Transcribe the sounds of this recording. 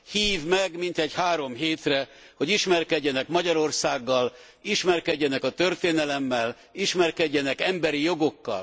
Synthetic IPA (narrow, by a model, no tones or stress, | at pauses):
hiːvmɛɡmint̪ɛɟhaːɾo̞mɦeːt̪rɛ | ho̞ɟiʃmɛrkɛɟːɛnɛkmɒɟɒɾo̞rsaːɡːɒl | iʃmɛrkɛɟːɛnɛkɒt̪ørt̪eːnɛlɛmːɛl | iʃmɛrkɛɟːɛnɛkɛmbɛɾijo̞ɡo̞kːɒ̰l